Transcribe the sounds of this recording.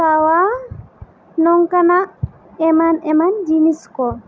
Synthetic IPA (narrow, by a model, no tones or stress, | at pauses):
sawa | nɔŋkanaʔ | ɛmanɛmand͡ʒiniskɔ